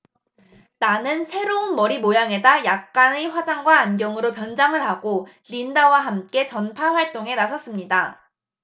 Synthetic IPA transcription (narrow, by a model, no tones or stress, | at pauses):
nanɯnsʰe̞ɾounmʌɾimojaŋe̞dajak̚k͈aneɸwad͡ʑaŋɡwaːnɡjʌŋɯɾopjʌnd͡ʑaŋɯɭɦaɡo | ʎindawaɦamk͈e̞t͡ɕʌnpʰaɸwaɭt͈oŋe̞nasʰʌs͈ɯmɲida